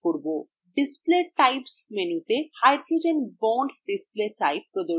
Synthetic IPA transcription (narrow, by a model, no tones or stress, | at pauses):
koɾbo | ɖispleʈajpsmenut̪ehajd̪ɾud͡ʑenbɔɳɖɖispleʈajpːɾod̪o